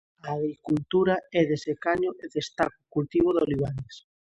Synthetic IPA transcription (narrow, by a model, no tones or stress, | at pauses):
aːɣɾikult̪uɾaɛðesekaɲoʔeðest̪ako̥kult̪iβoðoliβ̞anes